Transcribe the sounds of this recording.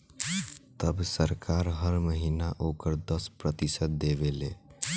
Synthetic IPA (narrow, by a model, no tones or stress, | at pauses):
t̪əbsəɾkaɾɦəɾməɦinaʔokəɾd̪əspɾət̪isət̪̚d̪ebele